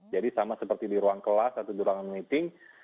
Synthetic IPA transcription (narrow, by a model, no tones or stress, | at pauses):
d͡ʒadisamasəpərt̪idiɾuaŋkəlasat̪awdiɾuaŋanmit̪ɪŋ